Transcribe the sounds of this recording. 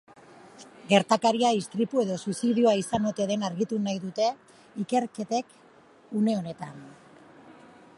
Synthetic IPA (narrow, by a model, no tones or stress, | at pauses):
ɡe̞ɾt̪akaɾiaist̪ɾipue̞ðo̞susiðiuaisanot̪e̞ðe̞naɾɣit̪unajðut̪e̞ | ike̞ɾke̞t̪e̞k | une̞o̞ne̞t̪a̰n